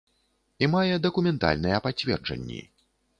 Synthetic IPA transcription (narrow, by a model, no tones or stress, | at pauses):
imajɛd̪ɐkumʲɛnt̪a̰lʲnɨjɛpat͡sʲvʲɛ̰rd͡ʐɐ̰nʲːḭ